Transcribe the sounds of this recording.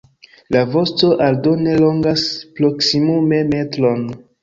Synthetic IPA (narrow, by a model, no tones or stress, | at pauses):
lavo̞sto̞ʔaldo̞ne̞loŋɡaspɾoksimume̞metɾo̞n